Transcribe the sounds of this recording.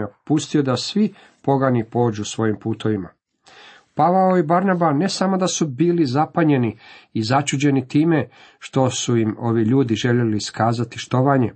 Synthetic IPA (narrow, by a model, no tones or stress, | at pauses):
apust̪iod̪asʋi | po̞ɡanipo̞ːd͡ʑusʋo̞jimpuːt̪o̞ʋima̰ | paʋaoibaɾnabane̞samo̞d̪asubiːlizapaɲe̞niizat͡ʃud͡ʑe̞nit̪iːme̞ | ʃt̪o̞suimo̞ʋiʎuːd̪iʒe̞ʎeliskaːzat̪iʃt̪o̞ʋaɲe